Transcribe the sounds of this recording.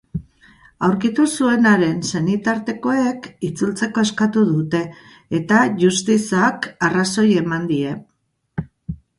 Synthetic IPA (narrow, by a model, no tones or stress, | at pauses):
awɾkit̪usue̞naɾe̞nsenit̪aɾt̪e̞ko̞ekit͡sult͡se̞ko̞e̞skat̪uðut̪e̞ː | t̪aʝust̪isakaraso̞je̞mand̪ie̞